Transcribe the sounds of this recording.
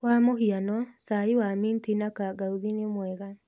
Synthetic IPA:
wamohianɔsaiwamintinakaɡauðinemwɛɣa

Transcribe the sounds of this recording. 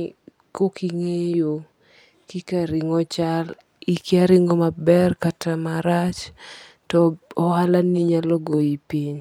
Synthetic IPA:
kokiŋejo | kikaɾɪŋɔt͡ʃal | ikiaɾɪŋɔmabɛrkatamaɾat͡ʃ | tɔɔwalaniɲalɔɡoipiɲ

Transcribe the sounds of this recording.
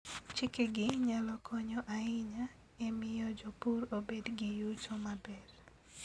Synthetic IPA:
t͡ʃɪkeɡɪɲalɔkʰɔɲɔʔaɪɲa | emɪjɔd͡ʒɔpuɾobedɡɪjutomabɛr

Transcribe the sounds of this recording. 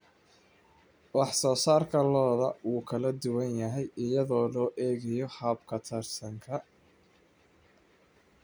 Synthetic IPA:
wɑħsɔːsaːrkʰɐlɔːðɐʔuːkʰɐlɐd̪ʊwɐnjɐɦɛjʔɪjɐðɔːlɔːʔɛːɣɐjɔhɐbkʰɐt̪ʰɐrsɐŋkʰɐ

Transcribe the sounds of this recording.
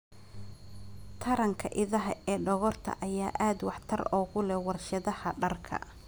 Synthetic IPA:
t̪ʰɐɾɐŋkʰɐ̰ʔɪðɐɦɐʔɛːɖɔɣɔrt̪ʰɐ̰ʔɐjaːʔaːd̪wɑħt̪ʰɐrɔːɣʊlɛwɑrʃɐðɐhɐɖɐrkʰɐ̰

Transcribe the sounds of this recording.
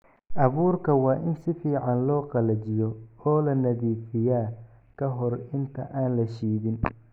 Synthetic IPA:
ʔɑβuːrkʰɐwɑːʔɪnsɪfiːʕɑnlɔːqɑlɐt͡ʃɪjɔɔːlɐnɐðiːfɪjaː | kʰɐɦɔrɪnt̪ʰɐʔaːnlɐʃiːðɪn

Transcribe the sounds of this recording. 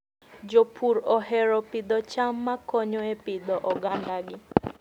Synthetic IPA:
d͡ʒopʰuɾɔhɛɾɔpɪd̪ɔt͡ʃamːakɔɲɔepɪd̪ɔʔɔɡandaɡɪ

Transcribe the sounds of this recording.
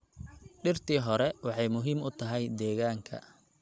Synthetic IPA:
ɖɪrt̪ʰiːɦɔɾɛwɑħɑjmʊɦiːmʊt̪ʰɐɦɛjd̪ɛːɣaːŋkʰɐ̰

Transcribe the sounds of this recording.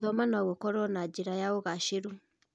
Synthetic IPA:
ðɔmanaɣokɔɾɔnad͡ʑeɾajaoɣaʃeɾu

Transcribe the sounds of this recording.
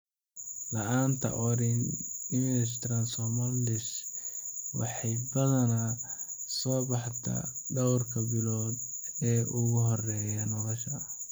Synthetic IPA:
lɐʔaːnt̪ʰɐ̰ʔɔɾɪnɪmɛst̪ɾɐnsɔmɐldɪs | wɑ̰ħɑjbɐðɐna | sɔːbɑħt̪ʰɐ̰ɖɐwrkʰɐbɪlɔːd̪ɛːʔʊɣʊɦɔrɛːjɐnɔlɔʃɐ

